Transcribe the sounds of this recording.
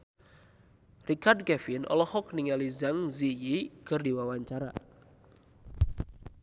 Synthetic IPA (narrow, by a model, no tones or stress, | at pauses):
rikard̚kɛfɪnʔɔ̰lɔhɔk̚niŋalizaŋzijikərdiwawaɲt͡ʃaɾa̰